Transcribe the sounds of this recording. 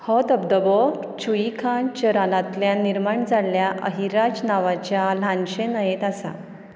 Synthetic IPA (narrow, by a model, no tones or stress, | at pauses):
hɔt̪əbd̪əbɔ | t͡ɕʰuikʰãt͡ɕəɾalat̪ljãniɾmaɳd͡zaljaʔəɦiɾad͡ʑnaʋat͡ɕjalãnɕẽnəjet̪asa̰